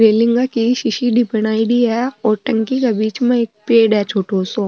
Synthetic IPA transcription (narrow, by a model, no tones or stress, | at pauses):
ɾeːlɪ̃ŋɡakiʃɪʃiɖipənaːɪɖiɦɛɔːɾʈɐ̃ŋkikebiːt͡ʃmẽeːk̚peːɖɦɛt͡ʃʰoːʈoːsoː